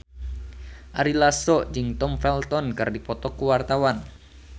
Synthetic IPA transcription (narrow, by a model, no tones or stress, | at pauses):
ʔaɾilasɔd͡ʒɨŋt̪ɔmfɛlt̪ɔnkɨrdipɔt̪ɔkuwart̪awan